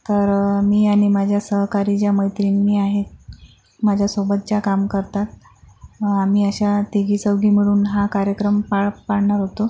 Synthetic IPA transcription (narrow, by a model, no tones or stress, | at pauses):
t̪əɾmiːaɽ̃imad͡ʑʱjasəɦkaɾid͡ʑjaməjt̪ɾinːiːaɦet̪̚ | mad͡ʑʱjasobət̪̚t͡ɕakamkəɾt̪at̪̚ | amiːəɕat̪iɡiːt͡səwɡʱiːmiɭuːnɦakaɾjəkɾəmpaɭpaɽɳaɾɦot̪o